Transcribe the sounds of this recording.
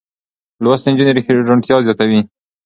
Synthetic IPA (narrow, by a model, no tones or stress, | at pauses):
lwast̪ɪnd͡ʒuneɾixʒʊɳʈ̪jɑzjɑt̪awi